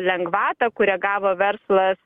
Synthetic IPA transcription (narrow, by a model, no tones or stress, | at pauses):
lʲɛŋɡʋɑːt̪ɐkʊɾʲɛːɡɑːʋoːʋʲɛɾslˠɐs